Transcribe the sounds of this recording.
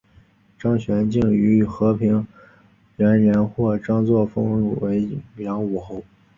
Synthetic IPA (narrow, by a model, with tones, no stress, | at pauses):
ʈ͡ʂɑ˥ŋɕɥɛ˧˥nt͡ɕi˥˩ŋy˧˥xɤ˧˥pʰi˧˥ŋ | ɻa˧˥nɻə˧˥nxwɔ˥˩ʈ͡ʂɑ˥ŋt͡swɔ˥˩fɤ˥ŋɻṵ˨˩we˧˥ɪmjɑ˧˥ŋu˨˩xo˥˩ʊ